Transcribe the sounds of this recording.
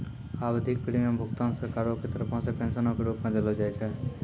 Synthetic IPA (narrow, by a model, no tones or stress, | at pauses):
aʋəd̪ʱik̚pɾimãmbʱʊkt̪ãnsəɾkaɾoket̪ɾəpɔ̃sepɛ̃nsənõkiɾupmãd̪elod͡ʒajt͡ʃʰe